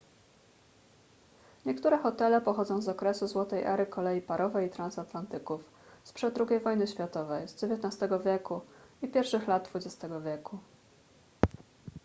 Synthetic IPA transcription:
ɲɛkt̪uɾɛxɔt̪ɛlɛpɔxɔd̪zɔ̃w̃zɔkɾɛsuzwɔt̪ɛjʔɛ̰ɾɘkɔlɛjipaɾʔɔvɛjit̪ɾansat̪lant̪ɘkuf | spʂɛd̪d̪ːɾuɡʲejvɔjnɘɕfʲjat̪ɔvɛjzd͡ʑevjɛt̪nast̪ɛɡɔvʲjɛkuipʲjɛɾfʂɘxlad̪̚d̪vud͡ʑɛst̪ɛɡɔvʲjɛku

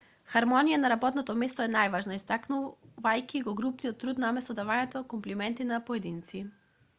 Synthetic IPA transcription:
xaɾmɔnijanaɾabɔt̪nɔt̪ɔmɛst̪ɔɛnajvaʒnaist̪aknuvajkiɡɔɡɾupnijɔt̪ːɾut̪namɛst̪ɔd̪avanɛt̪ɔkɔmplimɛnt̪inapɔɛd̪int̪si

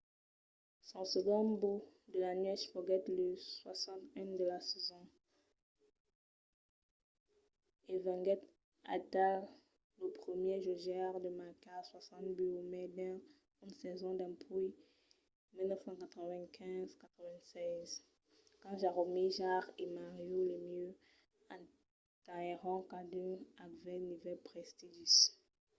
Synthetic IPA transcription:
sɔ̃səɡɔ̃bud̪əlanɥɛʃfɔɡɛt̪ləswasɑ̃t̪ɛ̃d̪əlasɛzɔ̃ | evɛ̃ŋɡɛt̪ | a̰t̪a | ləpχəmjeʒoʒaʁd̪əmakaswasɑ̃t̪byomɛd̪ɛ̃ | ynsɛzɔ̃d̪ɑ̃pʰuj | milnəfsɑ̃kat̪χəvɛ̃kʰɛ̃zkat̪χəvɛ̃sɛz | kɑ̃ʒaʁomiʒaʁemaʁjolemjø | ã | t̪aʁɔ̃kad̪øakvɛ̃nivɛlpχɛst̪iʒys

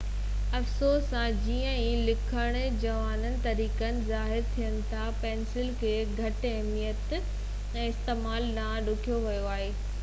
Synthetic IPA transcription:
ɐfsoːsːãd͡ʑiːə̃ĩlɪkʰəɽ̃ | d͡ʑɐʋaːnənɪ̆t̪ɐɾiːkənɪ̆zaːɦɪɾt̪ʰijənɪ̆t̪ʰapɛ̃ːnsɪlkʰeːɡʱɐʈɛɦmijət̪ | ɛ̃ːɪst̪eːmaːlnãɗʊkʰijoʋɐjoaːɦeː

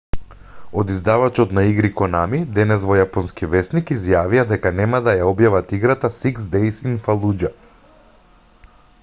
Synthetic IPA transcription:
od̪izd̪avat͡ʃɔt̪naiɡɾikɔnamid̪ɛnɛsvɔjapɔnskivɛsnikizjavijad̪ɛkanɛmad̪ajaɔbjavat̪iɡɾat̪asiksd̪ɛjsiŋfalˠud͡ʒa

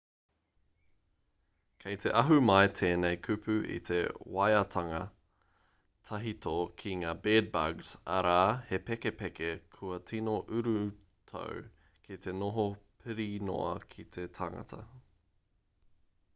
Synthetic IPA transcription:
kʰejt̪ʰe̞ʔɐɦʉmɐjtʰeːnejkʰʉpʰʉʔḭt̪ʰe̞̰wajɐtʰɐŋɐ | tʰɐɦitʰokʰiŋaːbeːd̚bɐ̰ɡz̥ɐ̰ɾaːhe̞pekepɛkekʰuɐtʰinoʔʉɾʉ | tʰo̰w | kʰit̪e̞noɦopʰɨɾino̰ɐ̰kʰit̪ʰe̞tʰaŋɐ̰tʰɐ̰

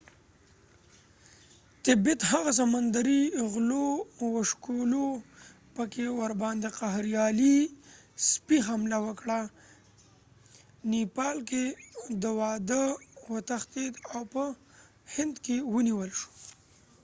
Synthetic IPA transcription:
t̪ɪbit̪haɣas̬amand̪aɾiɣlowəʃkolo | pəkewaɾbɑnd̪eqaɦɾjɑli | spiɦamlawəkɽa | nipɑlked̪əwɑd̪əwət̪axt̪ed̪awpə | hɪnd̪kewəniwəlʃo̥

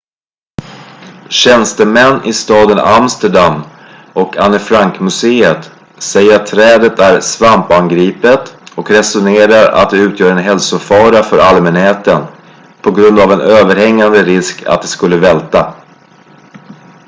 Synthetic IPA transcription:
ɕɛnst̪əmɛnːʔɪst̪ɑːd̪ənamst̪əɖamː | ɔkanːəfɾaŋkmɵseːət̪ | sɛjːəɾat̪ʰːɾɛːd̪ət̪ʰæɾsvampanɡɾiːpət̪ɔkɾɛsʊneːɾaɾa̰t̪̚d̪ɛʉ̟ːt̪ʰjœːɾɛnɦɛlsʊfɑːɾafœɾalmɛnheːt̪ən | pʰɔɡɾɵnd̪avɛnøːvəɾhɛŋːand̪əɾɪskʰa̰t̪̚d̪ɛskɵlːəvɛlt̪a

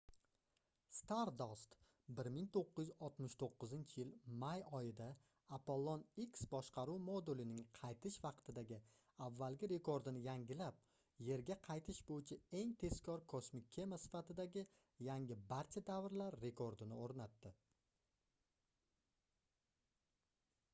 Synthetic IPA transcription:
st̪aɾd̪ost̪ | bɪɾmɪŋt̪ʰoqːɨzjɪzɒlˠt̪mɪʃt̪ʰoqːɨzɪnt͡ʃʰɪjɪlmajɒjɪd̪a | apolˠːoniksbɒʃqʰɑɾuwmod̪ulɪnɪŋqʰɑjt̪ʰɪʃvɑqt̪ʰɪd̪aɡʲɪ | avːalɡʲɪɾe̞kʰo̞ɾd̪ɪnɪjaŋɡʲɪlap̚ | je̞ɾɡʲaqʰɑjt̪ʰɪʃbojɪt͡ʃʰɪe̞ŋt̪ʰe̞z̥kʰʲɒɾkʰosmɪkʲʰːe̞masɪ̥fat̪ɪd̪aɡʲɪ | jaŋʲɪbaɾt͡ʃʰad̪avɾlaɾːe̞kʰo̞ɾd̪ɪnɪoɾnat̪ːɪ

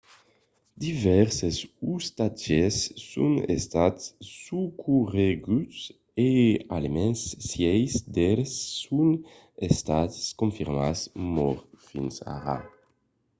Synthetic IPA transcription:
d̪ivɛɾsesust̪ad͡ʒesːṵnḛst̪at̪sːukʰureɡys | ea̰lemɛnsːjɛjsd̪eɾsːun | est̪askuɱfiɾmasmɔɾfinsa̰ʁa̰

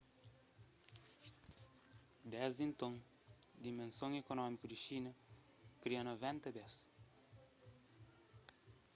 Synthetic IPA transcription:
d̪ɛzd̪ĩnt̪õŋ | d̪imẽnsõŋekonɔmikud̪iʃinɐ | kɾiɐnovɛ̃nt̪ɐbɛs

